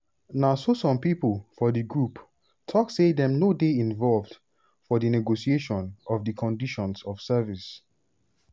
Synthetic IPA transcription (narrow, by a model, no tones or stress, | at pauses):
nasosɔ̃mpipəlˠfɔdiɡɹup | tʰɔksedɛ̃mnodeĩnvɔlvd̥ | fɔdənɛɡosieʃɔ̃nɔvdəkʰɔ̃ndiʃɔ̃nsɔv̥sɜvis